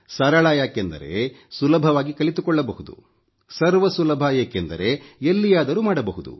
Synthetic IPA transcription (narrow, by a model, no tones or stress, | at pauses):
sɐɾɐɭaːjaːkend̪ɐ̰ɾe̞̰ | sulɐbʱɐʋaːɡikɐɭit̪ukɔɭːɐbɐɦud̪ṵ | sɐɾʋɐsulɐbʱɐjeːkend̪ɐ̰ɾe̞elːijaːd̪ɐɾumaːɽɐbɐɦud̪ṵ